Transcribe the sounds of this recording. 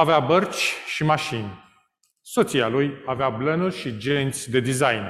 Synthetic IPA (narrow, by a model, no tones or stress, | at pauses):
aveabərt͡ʃʲʃimaʃinʲ | so̞t̪sialujaveablənurʲʃid͡ʒe̞nt̪sʲd̪e̞d̪izajn